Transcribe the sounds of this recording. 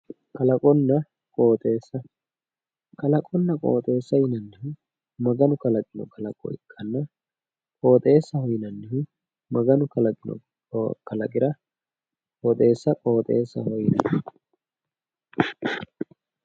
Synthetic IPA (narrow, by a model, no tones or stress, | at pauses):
kɐlɐkʼɔnːɐ | kʼoːt̪ʼeːsːɐ | kɐlɐkʼɔnːɐkʼo̰ːt̪ʼe̞ːsːɐjɪnɐnːɪhʊ | mɐɡɐnʊkɐlɐkʼɪnɔ̰kʼɐlɐkʼɔ̰ɪkʼːɐnːɐ | kʼo̞ːt̪ʼe̞ːsːɐhɔjɪnɐnːɪhʊ | mɐɡɐnʊkɐlɐkʼɪnɔ̰ | kɐlɐkʼɪɾɐ | kʼoːt̪ʼe̞ːsːɐkʼoːt̪ʼeːsːɐ̰hɔjɪnɐn